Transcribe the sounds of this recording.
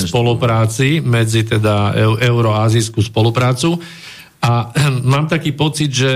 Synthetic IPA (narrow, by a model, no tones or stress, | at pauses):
spɔlupɾaːt͡simɛd͡zit̪ɛd̪aɛʊɾɔaːziskuːspɔlupɾaːt͡su | ʔamaːmt̪akiːpɔt͡sid̪ʒɛ